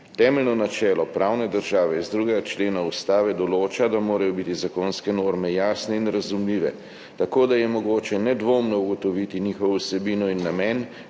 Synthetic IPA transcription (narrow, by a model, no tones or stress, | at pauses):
t̪ɛːmɛlnɔnat͡ʃɛːlɔpɾʔaːwnɛd̪əɾʒaːʋɛizd̪ɾuːɡɛɡat͡ʃleːnaust̪aːʋɛd̪ɔloːt͡ʃad̪amoːɾajɔbit̪izakoːnskɛnoːɾmɛjaːsnɛinɾazumliːʋɛ | t̪akoːd̪ajɛmɔɡoːt͡ʃɛnɛd̪ʋoːmnɔuɡɔt̪ɔʋit̪iniːxɔʋusɛbiːnɔinːamɛn